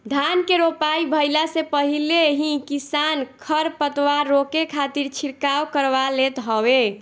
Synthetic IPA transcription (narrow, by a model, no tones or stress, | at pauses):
d̪ʱankeɾopaibʱəjlasepəɦileɦĩkisankʰəɾpət̪waɾːokekʰat̪iɾt͡ʃʰiɾkawkəɾbalet̪ɦɔwe